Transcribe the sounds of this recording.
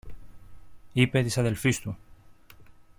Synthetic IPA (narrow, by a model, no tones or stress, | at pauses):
ipe̞t̪isɐðe̞lfist̪u